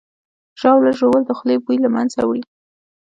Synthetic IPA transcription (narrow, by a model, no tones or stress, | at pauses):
ʒ̥ɑwlaʒobəld̪əxlebujlama̰nza̰wɽi